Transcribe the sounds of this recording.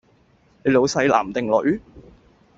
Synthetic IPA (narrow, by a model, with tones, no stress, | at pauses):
le˨˧jlo˨˧wsɐ˨˧˥jla̰ː˨˩mt̪ɪ˨ŋlɵ̰˨˧˥ɥ